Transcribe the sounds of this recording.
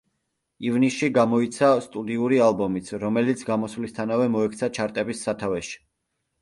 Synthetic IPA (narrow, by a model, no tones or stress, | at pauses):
ivnisʃiɡamɔit̪sʰast̪ʼud̪iuɾialˠbɔmit̪sʰɾɔmɛlit̪sʰɡamɔsvlist̪ʰanavɛmɔɛkʰt̪sʰat͡ʃʰaɾt̪ʼɛbisːat̪ʰavɛʃi̥